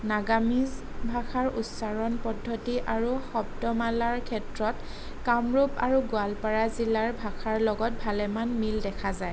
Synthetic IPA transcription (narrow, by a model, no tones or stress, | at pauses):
naɡamiz | bʱaxaɹutsaɹɔnpɔdʱːɔtiʔaɹuxɔb̚dɔmalaɹkʰɛtɹɔt | kamɹupa̰ɹuɡualpaɹazilaɹbʱaxʰaɹlɔɡɔt̚bʱalɛmanmildɛkʰazaj